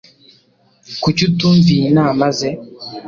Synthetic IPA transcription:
kucutuːɱvinaːmaze

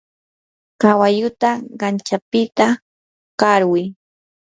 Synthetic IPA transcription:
kawajʊt̪aɢɑnt͡ʃapɪt̪a | kaɾwɪ

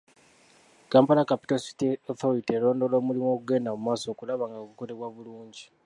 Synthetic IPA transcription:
kaːmpalakapi̥tosi̥tioθoɾitelo̞ːndo̞lo̞ːmulimoɡe̞ːndamumwaːso̞ːkulaβaːŋɡakuko̞leβwaβuluːɲɟi

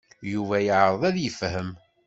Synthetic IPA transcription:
juvæjəʕɾˤəðˤæðjəfɦəm

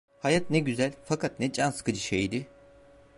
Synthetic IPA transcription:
hajat̪nɛɟyzælʲfakʰat̪̚nɛd͡ʒanskʰɯd͡ʒɯʃejd̪ɪ

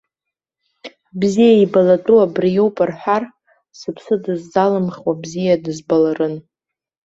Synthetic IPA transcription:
bzijaibalatʼuabrjowpʼarħʷᶣar | sɨpʰsɨdɨzːalɨmχʲwabzijadɨzbalarɨn

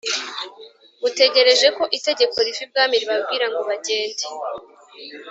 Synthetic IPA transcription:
ute̞ɟe̞ɾe̞ʒe̞ko̞ʔite̞ɟe̞ko̞ɾifib̚ɡaːmiɾiβabɡiːɾaŋɡoβaɟe̞ːnde

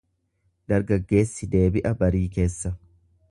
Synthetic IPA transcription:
d̪ɐɾɡɐɡːe̞ːsːɪd̪e̞ːbɪʔɐbɐɾiːke̞ːsːɐ

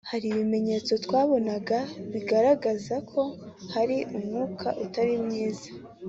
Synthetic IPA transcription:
haɾiβime̞ɲe̞t͡so̞twaːβo̞naɡaβiɡaɾaɡazakʰo̞haɾiʔumŋuːkʰa̰ʔutaɾimŋiːza

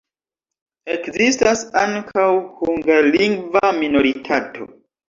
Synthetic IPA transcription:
e̞kzistasaŋkʰawhuŋɡaliŋɡvamino̞ɾitʰato̞̰

